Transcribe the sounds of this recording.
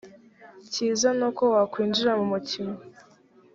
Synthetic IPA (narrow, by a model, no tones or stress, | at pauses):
ciːzanokowakwiːnd͡ʒiɾamumutʰima